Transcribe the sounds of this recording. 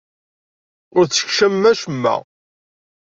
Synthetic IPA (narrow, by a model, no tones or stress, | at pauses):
ʊɾθə̥kʃæmːæʃəmːæ̰